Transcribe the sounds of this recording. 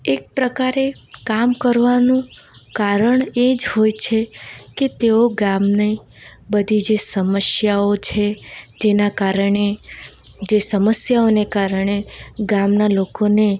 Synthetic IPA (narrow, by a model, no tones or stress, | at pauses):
ek̚pɾəkaɾekamkəɾʋanũ | kaɾəɳed͡ʒɦojt͡ʃʰeket̪eoɡamne | bəd̪ʱid͡ʒesəməsjaot͡ʃʰed͡ʒ̪enakaɾɳe | d͡ʒesəməsjaonekaɾɳ̃eɡamnalokone